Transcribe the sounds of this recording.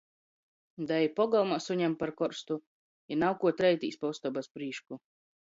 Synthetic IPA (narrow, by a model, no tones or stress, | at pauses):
d̪ajipɔɡalˠmasuɲɛmpaɾkɔɾst̪u | inawkuɔt̪ɾɛjt̪ḭːspɔust̪ɔbaspɾiːʃku